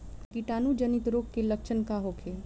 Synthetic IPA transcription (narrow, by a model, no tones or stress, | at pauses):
kiʈaːnud͡ʒənit̪ɾoːkkelək̚t͡ʃʰənkaɦokʰe